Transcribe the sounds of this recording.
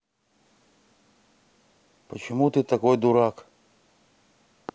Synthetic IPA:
pət͡ɕɪmut̪ɨt̪ɐkojd̪ʊɾak

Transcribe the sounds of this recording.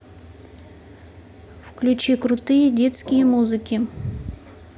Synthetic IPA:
fklʲʉt͡ɕikɾʊt̪ɨjədʲe̞t̪skʲɪjəmuzɨkʲɪ

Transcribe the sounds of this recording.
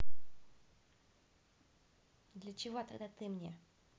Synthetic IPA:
d̪lʲət͡ɕɪvot̪ɐɡd̪at̪ɨmnʲe

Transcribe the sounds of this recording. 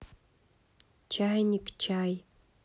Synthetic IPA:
t͡ʃʰajnʲikt͡ʃʰaːj

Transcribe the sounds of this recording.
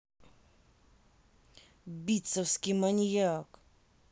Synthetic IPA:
bʲit̪sɔfskʲimanʲjak

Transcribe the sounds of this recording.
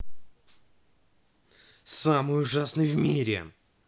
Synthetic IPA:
samɨjʊʐasnɨjvmʲiɾʲɪ̰

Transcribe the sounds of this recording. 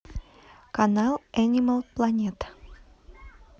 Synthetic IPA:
kanalˠɛnʲiməlˠplˠɐnʲet̪

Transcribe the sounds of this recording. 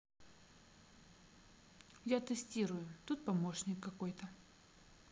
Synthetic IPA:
jat̪ɨsʲtʲiɾʊjʊt̪ut̪̚pɐmo̞ʂnʲɪkːɐko̞jt̪ə

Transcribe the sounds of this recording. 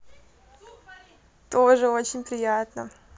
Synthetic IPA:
t̪oʐɨot͡ɕɪnʲpɾʲɪjat̪nə

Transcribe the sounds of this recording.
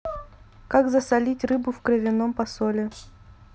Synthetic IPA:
kaɡzəsɐlʲitʲrɨbʊfkɾəvʲɪno̞mpɐsolʲɪ

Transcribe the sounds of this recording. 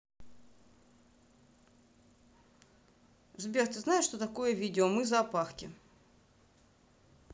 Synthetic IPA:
zbʲert̪ɨznajɪʂt̪o̞t̪ɐko̞jəvʲidʲɪomɨzɐːpaxkʲɪ̰

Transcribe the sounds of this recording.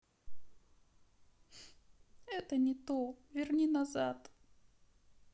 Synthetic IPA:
ɛt̪ənʲɪt̪ovʲɪrnʲinɐzat̪

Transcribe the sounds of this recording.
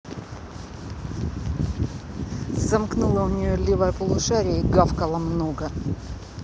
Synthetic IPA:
zɐmknulˠəʊnʲɪjolʲivəjəpəlˠʊʂaɾʲɪəiɡafkɐlˠəmnoɡə

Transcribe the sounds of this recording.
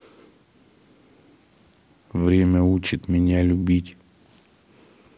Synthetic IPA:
vɾʲemʲəut͡ɕɪt̪mʲɪnʲalʲʊbʲitʲ

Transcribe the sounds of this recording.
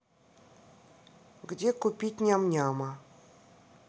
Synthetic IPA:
ɡdʲekupʲit̚ʲnʲamnʲamə

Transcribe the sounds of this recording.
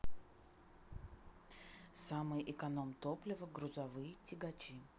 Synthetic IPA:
samɨjʔɪkɐnomt̪oplʲɪvəɡɾʊzɐvɨjətʲɪɡɐt͡ɕi

